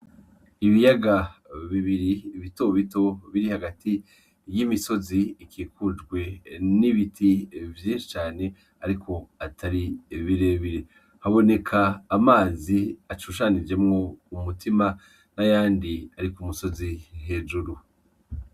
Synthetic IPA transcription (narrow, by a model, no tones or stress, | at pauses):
iβijaɡaβiβiɾiβito̞βito̞βiɾihaɡati | jimiso̞ziikʰiːkʰud͡ʒɡwe̞niβitʰivjiːnʃi̥t͡ʃaːne̞ | aɾikʰo̞atʰaɾiβiɾe̞βiɾe | haβo̞ne̞kʰaːmaːziat͡ʃuʃanid͡ʒe̞mŋo̞umutima | najaːndiaɾikumuso̞zihe̞ːʒuɾu